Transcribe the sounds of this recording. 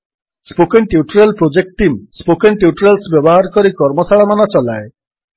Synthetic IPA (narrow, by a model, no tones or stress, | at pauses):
spokenʈiuʈɾelpɾod͡ʒek̚ʈʈimspokenʈiuʈɾelsbjɔbɔɦaɾɔkɔɾikɔɾmɔsaɭamanɔt͡ʃɔlae